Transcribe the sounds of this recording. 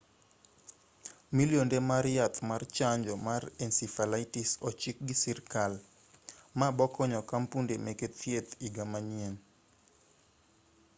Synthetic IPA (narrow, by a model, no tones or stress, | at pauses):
miljondemaɾjat̪ʰmart͡ʃaɲd͡ʒɔmarɛnsifalaɪtisɔt͡ʃik̚ɡisirkal | mabɔkɔɲɔkampundemɛket̪ʰjet̪iɡamaɲien